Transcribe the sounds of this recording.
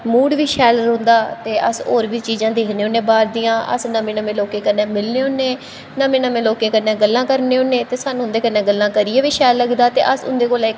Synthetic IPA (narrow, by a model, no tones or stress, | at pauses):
muːɽʋiːʃɛːlɾõːnd̪aːt̪eːʔə̰so̰ːɾʋiːt͡ʃiːzãːd̪eːkʰneːʊːnːẽːbaːɾd̪ɪjãːʔə̰snəmẽːnəmẽːloːkeːkənːẽːmɪlneːʊnːẽː | nəmẽːnəmẽːloːkẽːkənːẽːɡəlːãːkəɾneːonːẽːt̪eːsaːnũːʊnd̪eːkənːeãːɡəlːãːkəɾiːeːʋiːʃɛːlːəɡd̪aːt̪ḛːʔəsʊ̰nd̪eːkoːla